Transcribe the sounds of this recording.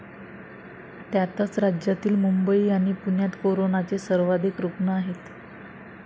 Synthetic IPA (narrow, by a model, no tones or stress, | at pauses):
t̪jat̪ət͡sɾad͡ʑjat̪iːlmumbəiːaɽ̃ipunjat̪koɾonat͡sesəɾʋad̪ʱikɾupɳəaɦet̪